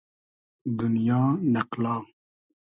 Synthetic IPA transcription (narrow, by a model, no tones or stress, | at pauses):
d̪unjaːnɐqlɑː